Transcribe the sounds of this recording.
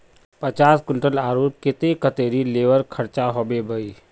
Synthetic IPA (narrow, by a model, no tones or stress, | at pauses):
pət͡ʃaːskʊɳʈəlaːɾoːp̚kɪt̪ekət̪eːɾileːʋəɾkʰəɾt͡ʃaɦoːbebʱəi